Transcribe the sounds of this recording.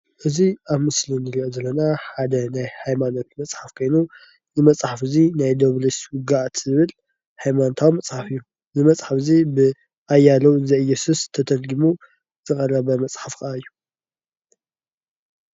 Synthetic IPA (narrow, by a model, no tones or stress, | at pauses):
ʔɨziaβmɨslinɨɾiʔozɐlːɐnaħad̪ɐnajhajmano̞t̪mɐt͡sʼħafkʰo̞jnu | nɨmɐt͡sʼħafɨzinajd̪oβleswɨɡaʕt̪ʰzɨβɨl | hajmanot̪ʰawimɐt͡sʼħafɨjːu | nɨmɐt͡sʼħafzibɨ | ʔajːalɐwzɐʔjɛsust̪ʰɐt̪ʰɐlɡimu | z̥ɨkʼɐrɐβɐmɐt͡sʼħafkɐʔaɨjːu